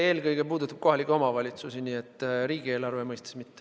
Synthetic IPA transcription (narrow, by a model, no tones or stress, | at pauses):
e̞ːlkɤjɡepuːd̪ut̪ːˑɑb̥ko̞ɦɑlʲikːˑeo̞mɑvɑlʲit̪susiniet̪ːˑɾiːɡ̥ie̞ːlɑrvemɤjst̪ɑ̥smit̪ːe